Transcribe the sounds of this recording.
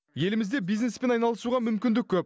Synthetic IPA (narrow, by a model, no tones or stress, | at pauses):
je̞lɪmɪzd̪e̞bijznespe̞nɑjnɑlˠəsuʁɑmʏmkʲɪnd̪ɪk̚ʲʰːɵp̚